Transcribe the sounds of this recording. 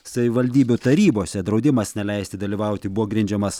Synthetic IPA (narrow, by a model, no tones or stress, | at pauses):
sɐʋʲɪʋɐlʲd̪ʲiːbʲʊt̪ɐɾʲiːboːsʲɛd̪ɾɒʊd̪ʲɪmɐsnʲɛlʲɛɪsʲt̪ʲɪd̪ɐlʲiːʋɐˑʊt̪ʲɪbʊʋoːɡɾʲɪnʲd͡ʒʲɛmɐs